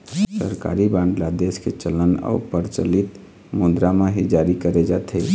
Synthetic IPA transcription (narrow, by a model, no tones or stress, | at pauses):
sə̰ɾka̰ɾibãɳɖlad̪esket͡ʃələna̰upəɾt͡ʃə̰lit̪ | mud̪ɾameɦid͡ʒaɾikəɾɛd͡ʒat̪ʰə